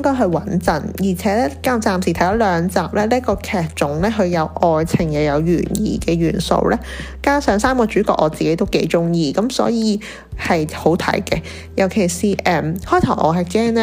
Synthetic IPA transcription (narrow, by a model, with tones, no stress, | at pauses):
ŋkɔː˥jɦɵ˧wɐ˨˥nt͡sɐ˨˩njiː˨˩t͡sʰɛː˨˥lɛː˥kaː˨˥˨t͡saː˨msiː˨˩t̪ʰjt̪ɔ˨˥lœː˨˧ŋt͡saː˨˩p̚lɛː˥liː˥əkɔː˧kʰɛː˨t̚t͡ʃʊ˨˥ŋlɛː˥ɦɵ˧ɥjɐ˨˧wʔɔː˨jt͡sʰɪ˨˩ŋjɐ˨˩wjɐ˨˧wjy̰ː˨˩njḭː˨kɛː˧ɥyː˨˩nso̰˧wlʔɛː˥ | kaː˥sœː˨˥ŋsaː˥mkɔː˧t͡ʃyː˨˥kɔ̰ː˧k̚ʔɔː˨˧t͡siː˨ke˨˥t̪o˥wke˨˥jt͡sʊ˥ŋjiː˨˧kɐ˨˥msɔ̰ː˨˥jiː˨˧ | hɐ˨jho˨˥wt̪ʰɐ̰˨˥jkɛ˧ | jɐ˨˩wkʰe˨˩jsiː˨ʔɛː˨mhɔː˥jt̪ʰɐ˨˩wʔɔ̰ː˨˧ɦɛː˨˧kkɛː˥ŋnɛ˥